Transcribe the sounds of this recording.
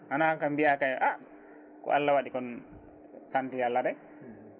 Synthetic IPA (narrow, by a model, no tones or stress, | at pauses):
hanakambiakajʔa | kɔ̰ʔalːawaɗikɔn | sandialːaɗɛ